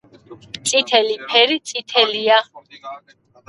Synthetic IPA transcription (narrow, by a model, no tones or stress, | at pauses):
t̪sʼit̪ʰɛlipʰɛɾit̪sʼit̪ʰɛlia